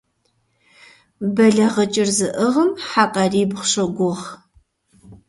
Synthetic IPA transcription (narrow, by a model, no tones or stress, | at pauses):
bɐɮɐʁɐt͡ʃʼɪrzɨʔəʁəmħaːqʼɐriːbχʷɕɐɡʷʊʁ